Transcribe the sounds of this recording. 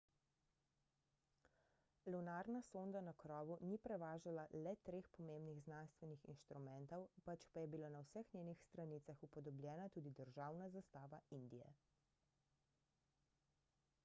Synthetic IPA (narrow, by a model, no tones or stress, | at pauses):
lunaɾnasond̪anakɾɔːʋunipɾɛʋaːʒalalɛt̪ɾeːxpɔmembniɣznanst̪ʋɛnixḭnʃt̪ɾumɛnt̪ɔwpat͡ʃpajɛbilanawsɛxnʲeːnixst̪ɾaniːt̪saxupɔd̪ɔbljɛːnat̪uːd̪id̪əɾʒawnazast̪aːʋaind̪ijɛ̰